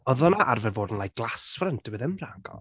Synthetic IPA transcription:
ɔðɔnaʔarvɛvoːdn̩lˠajk̚ɡ̥lˠasfrəntʰəbɛðəmraɡɔ̰lˠ

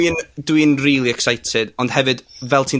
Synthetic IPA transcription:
indwinriːlˠiɛksajtʰɪdɔnd̥hɛvɨdvɛlˠtʰiː

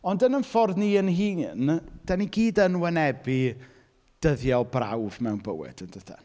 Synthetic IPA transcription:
ɔndənənfɔrdniːənɦiːnd̥aniɡiːdənwɛnɛbi | d̥əðjɔlbra̰wvmɛwnbə̰wɨ̰d̥əndəθa̰

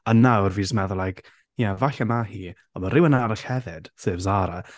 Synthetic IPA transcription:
anːawrviːsmɛðʊlajkʰ | javaɬamahiː | ɔmaɾɪwənaɾaɬhɛðɪd̥θɨːvzaɾa

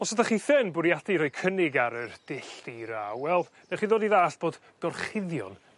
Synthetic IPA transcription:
ɔsadaχiːθɪnbʊɾjadiɾɔjkʰənɪɡaɾərd̥ɪɬtiɾaːwwɛlˠ | nɛχiːðoːdiðaːɬb̥oːd̥ | ɡ̥ɔrχɪðjɔ̰n

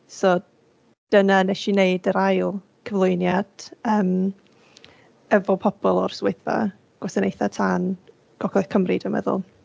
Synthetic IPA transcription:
sɔ | d̥ənanɛʃineɨdəɾajlˠ | kʰəvlˠʊɨnjad̥əːm | ɛvɔpʰɔb̥ɔlˠɔ̰rsweɨθba̰ | ɡ̥wɛsənejθatʰaːn | ɡ̥ɔkʰɔjθkʰəmrɪdəmɛ̰ðʊ̰lˠ

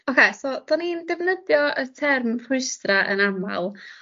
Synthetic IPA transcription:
okʰejsɔd̥ɔnindɛvnədjɔətʰɛrmrʰʊɨstraʔə̰nama̰lˠ

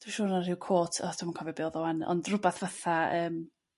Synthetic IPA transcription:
d̥iʃoːnarɪwkʰoːtʰɔtʰamnkʰɔvɛbiɔðɔwɛnɔ̰ndrʊbɛθvaθaəːm

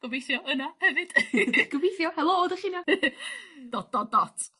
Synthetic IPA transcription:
ɡ̥ɔvejθjɔənahɛvɨd̥ɡ̥ɔvejθjɔhɛlˠodɔχina | d̥ɔdɔdɔtʰ

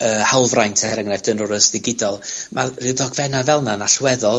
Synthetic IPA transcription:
əhalˠvrajntʰɛɾəŋnɛvd̥ənɔɾəsðɪɡɪdɔlˠmʔarɨðɔɡvɛnavɛlˠnanaɬwɛðɔlˠ

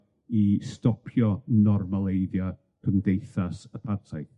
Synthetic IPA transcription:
istɔpʰjɔnɔrmalˠejðja | kʰəmdejθasəpʰatʰaj

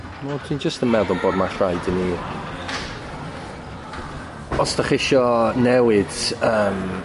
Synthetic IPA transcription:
wɛtʰind͡ʒəstənmɛðʊlˠboːdmaɬrajdəni | ɔsd̥aχɪʃɔnɛwɪd̥əːm

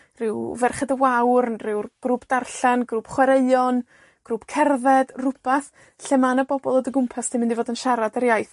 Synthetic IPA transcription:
rɪwvɛrχədəwawrnrɪwrɡ̥ruːbd̥arɬanɡruːb̥χwɛɾeɨɔn | ɡ̥ruːb̥kʰɛrðɛd̥rʊpʰaθ | ɬɛmanəbɔbɔlˠədəɡʊmpʰastʰɪnmɪndivoːdənʃaɾadəɾjajθ

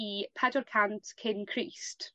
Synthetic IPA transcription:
ipʰɛdəlˠkʰantkʰɪnkʰɹist

